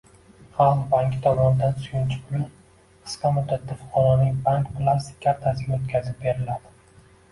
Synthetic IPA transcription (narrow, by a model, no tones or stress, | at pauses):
χɑlˠbaŋkʲʰɪ̥t̪ʰɒmɒnɪd̪ansʊjʊnt͡ʃʰɪ̥pʰʊlɪ | qʰɨ̥sqʰɑmʊd̪ːat̪ʰːafʊ̥qʰɒɾɒnɪŋbaŋkpʰlˠast̪ɪ̥kʲʰaɾt̪ʰasɪɡʲaot̪kʲʰazɪp̚be̞ɾɪlad̪ɪ